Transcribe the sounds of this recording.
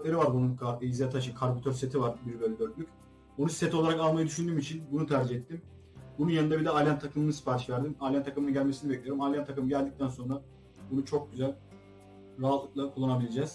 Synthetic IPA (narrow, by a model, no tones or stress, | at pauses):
lʲeɾivaɾbununkʰaizat̪ʰaʃɯkʰaɾbut̪ʰøɾset̪ʰivaɾbiɾbøjlʲɛd̪øɾt̪̚lʲyc | onuset̪ʰolˠaɾakalˠmajɯd̪yʃynd̪yːmit͡ʃʰinbunut̪ʰæɾd͡ʒiɦɛt̪ːim | bununjanɯnd̪abid̪ɛalʲjant̪ʰːakʰɯmɯnɯsi̥faːɾiʃvæɾd̪imalʲjant̪ʰakɯmɯnɯɟælʲmesinibɛclʲijoɾumalʲjant̪ʰːakɯmɯɟælʲd̪ic̚t̪ʰænso̞nɾa | bunut͡ʃʰo̞k̚ɟyzælʲ | ɾaɦat̪lːˠɯklˠakʰulˠːanabilʲed͡ʒɛːz̥